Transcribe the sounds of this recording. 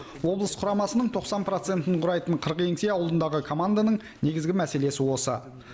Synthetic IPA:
wo̞blˠəsqʰʊɾɑmɑsənəɴt̪ʰo̞qsɑnpɾo̞t̪se̞nt̪ɪɴqʰʊɾɑjt̪əɴqʰəɾəqe̞ŋsejɑwlˠənd̪ɑʁəkʰo̞mand̪anəɴ | ne̞ɡʲɪzɡʲɪmæse̞le̞sɪwo̞sə

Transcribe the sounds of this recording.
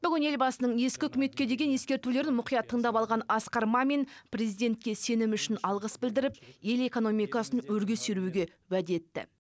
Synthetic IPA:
b̥ʏɡʲɪne̞lbɑsənəɴe̞skʲɪʏkʲɪme̞t̪kʲe̞d̪e̞ɡʲenje̞skʲe̞ɾt̪ule̞ɾɪnmʊqijɑt̪ʰːəɴd̪ɑpɑlˠʁɑnɑsqɑɾmɑme̞nprʲe̞zijd̪e̞nt̪̚kʲe̞se̞nɪmʏʃɪnɑlˠʁəsbɪld̪ɪɾɪp̚je̞le̞ko̞no̞mijkɑsənwɵɾɡʲe̞sʏɾuɡʲe̞ | wæd̪e̞t̪ːɪ̰

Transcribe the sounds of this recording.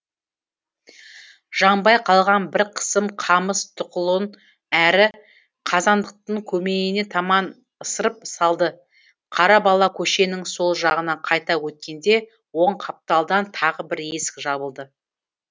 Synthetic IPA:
ʒ̥ɑɴbɑjqʰɑlˠʁɑnbɪɾqʰə̥səmqʰɑməst̪ʰʊqʊlˠən | æɾɪ | qʰɑzɑnd̪əq̚t̪əɴkʲʰɵme̞ne̞t̪ʰɑmɑn | əsəɾəp̚sɑlˠd̪ə | qʰɑɾɑbɑlˠɑkʲʰɵʃe̞nɪŋso̞lˠʒɑʁənɑqʰɑjt̪ɑwɵt̪̚kʲe̞nd̪e̞ | wo̞ɴqʰɑp̚t̪ɑlˠd̪ɑnt̪ʰɑʁəbɪɾe̞sɪ̥kʒɑbəlˠd̪ə

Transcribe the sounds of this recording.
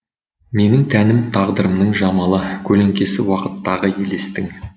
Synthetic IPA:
me̞nɪŋt̪ʰænɪmt̪ʰɑʁd̪əɾəmnəɴʒɑmɑlˠəkʲʰɵle̞ŋkʲe̞sɪwɑqə̥t̪ːɑʁəje̞le̞st̪ɪŋ

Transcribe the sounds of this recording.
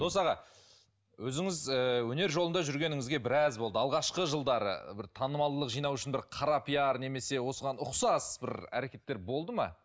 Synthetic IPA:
d̪̥o̞sɑʁɑ | wɵzɪŋɪzəwɵne̞ɾʒo̞lənd̪ɑʒʏɾɡʲe̞nɪŋɪzɡʲe̞bɪɾɑzbolˠd̪əɑlˠʁɑʃqəʒəlˠd̪ɑɾə̰bɪɾt̪ʰɑnəmɑlˠd̪əlˠəqʒijnɑwʏʃɪnbɪɾqʰɑɾɑpʰijɑɾne̞me̞se̞wo̞səʁɑnʊqsɑsbɪɾæ̰ɾe̞kʲe̞t̪ːe̞ɾbo̞lˠd̪əmɑ̰

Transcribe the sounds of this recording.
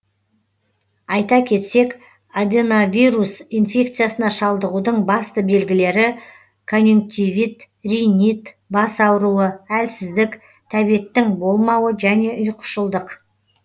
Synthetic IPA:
ɑjt̪ɑkʲʰe̞t̪se̞k | ad̪ʲenavʲijɾusinfʲe̞k̚t̪sɨjasənɑʃɑlˠd̪əʁud̪əɴbɑst̪əbe̞lɡʲɪle̞ɾɪ | kʰonʲjuŋk̚t̪ʲivit̪ | rʲijnit̪ | bɑsɑwɾuəælsɪzd̪ɪk | t̪ʰæbije̞t̪ːɪŋbo̞lˠmɑwəʒæne̞ʔʊjqʰə̥ʃəlˠd̪əq

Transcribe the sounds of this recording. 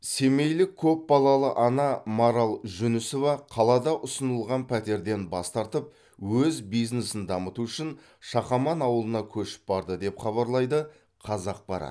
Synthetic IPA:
se̞me̞jlɪkʲʰːɵp̚bɑlˠɑlˠəʔɑnɑmoɾalˠʒʏnɪso̞vɑqʰɑlˠɑd̪ɑʔʊsənəlˠʁɑnpʰæt̪e̞ɾd̪e̞nbɑst̪ɑɾt̪əp̚ | wɵzbijznesɪnd̪ɑmət̪uʏʃɪn | ʃɑχɑmɑnɑwəlˠənɑkʲʰɵʃɪ̥p̚bɑɾd̪əd̪e̞pχɑβɑɾlˠɑjd̪ə | qʰɑzɑq̚b̥ɑɾɑ̰t̪

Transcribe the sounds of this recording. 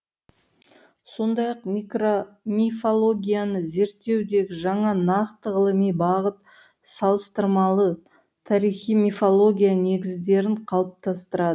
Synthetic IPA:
so̞nd̪ɑjɑqmikromʲifolˠo̞ɡʲijanəze̞ɾt̪ːe̞wd̪e̞ɡʲɪʒɑɴɑnɑqt̪əʁəlˠəmijbɑʁət̪ | sɑlˠəst̪əɾmɑlˠə | t̪ʰɑɾijχijmifolˠo̞ɡʲijane̞ɡʲɪzd̪e̞ɾɪɴqʰɑlˠəp̚t̪ɑst̪əɾɑd̪ə

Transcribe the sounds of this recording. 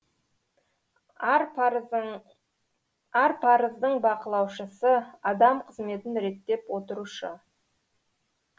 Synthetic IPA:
ɑɾpʰɑɾəzd̪əɴbɑqəlˠɑwʃəsəɑd̪ɑmqʰəzme̞t̪ɪnɾe̞t̪ːe̞pwo̞t̪əɾuʃə

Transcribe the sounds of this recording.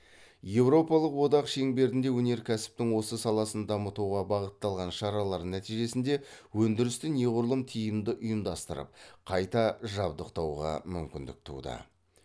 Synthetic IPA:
je̞wɾo̞pɑlˠəqwo̞d̪ɑqʃe̞ŋbe̞ɾɪnd̪e̞wɵne̞ɾkʲʰæsɪ̥p̚t̪ɪŋwo̞səsɑlˠɑsənd̪ɑmət̪uʁɑbɑʁət̪ːɑlˠʁɑnʃɑɾɑlˠɑɾnæt̪ijʒe̞sɪnd̪e̞wɵnd̪ɪɾɪst̪ɪne̞ʁʊɾlˠəmt̪ʰijɪmd̪ɪʔʊjəmd̪ɑst̪əɾə̰p̚qʰɑjt̪ɑʒɑbd̪əqt̪ɑwʁɑ̰mʏmkʲɪnd̪ɪ̰k̚t̪ʰṵd̪ə̰

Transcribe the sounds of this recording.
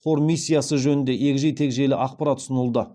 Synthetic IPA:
qʰo̞ɾmʲijsʲːijasəʒɵnɪnd̪e̞ʔe̞kʲɪʒejt̪ʰe̞kʒe̞lɪʔɑq̚paɾat̪ʰʊ̥sənəlˠd̪ə

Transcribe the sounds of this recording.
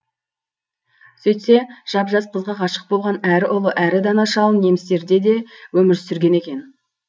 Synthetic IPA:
sɵjt̪se̞ʒ̥ɑpʒɑsqʰəzʁɑqʰɑʃə̥q̚bo̞lˠʁɑnæɾɪʔʊlˠəʔæɾɪd̪ɑnɑʃɑlˠəne̞mɪst̪e̞ɾd̪e̞d̪e̞wɵmɪɾsʏɾɡʲe̞ne̞kʲe̞n

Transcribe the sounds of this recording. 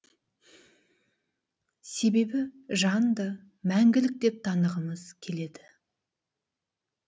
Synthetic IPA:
se̞be̞bɪʒɑnd̪ə | mæŋɡʲɪlɪk̚d̪e̞p̚t̪ʰɑnəʁəməz̥kʲʰe̞le̞d̪ɪ

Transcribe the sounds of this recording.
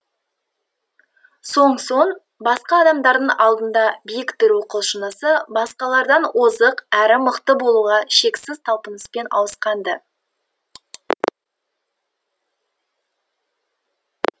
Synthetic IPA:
so̞ɴso̞ɴ | bɑsqɑːd̪ɑmd̪ɑɾd̪əɴʔɑlˠd̪ənd̪ɑbijɪkt̪ʏɾuqəlˠʃənəsəbɑsqɑlˠɑɾd̪ɑnwozəqæɾɪməqt̪əbo̞lˠuʁɑʃe̞ksɪz̥t̪ʰɑlˠpənəspe̞nɑ̰wəsqɑnd̪ə

